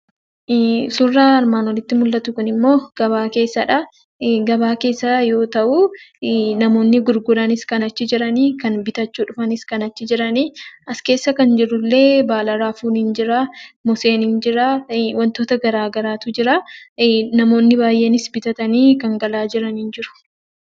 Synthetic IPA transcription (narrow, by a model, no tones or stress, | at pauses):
sʊrːaːɐɾmaːnwɔlɪt̪ːɪmʊlːɐt̪ʊkʊnɪmːo̞ːɡ̥ɐβaːke̞ːsːɐᶑɐ | ɡɐbaːke̞ːsːɐjo̞ːt̪ɐʔuː | nɐmo̞ːnːɪɡʊɾɡʊɾɐnɪskɐnɐt͡ʃːɪd͡ʒɪɾɐniːkɐnbɪt̪ɐt͡ʃːuːᶑʊfɐnɪskɐnɐt͡ʃːɪd͡ʒɪɾɐniːʔɐske̞ːsːɐkɐnd͡ʒɪɾʊlːe̞ːbaːlɐɾaːfuːnɪnd͡ʒɪɾamʊse̞ːnɪnd͡ʒɪɾaːwɐnt̪oːt̪ɐɡɐɾaːɡɐɾaːt̪ʊd͡ʒɪɾa | nɐmo̞ːnːɪbaːjʔe̞ːnɪsbɪt̪ɐt̪ɐniːkɐŋɡɐlaːd͡ʒɪɾɐnɪnd͡ʒɪɾʊ̥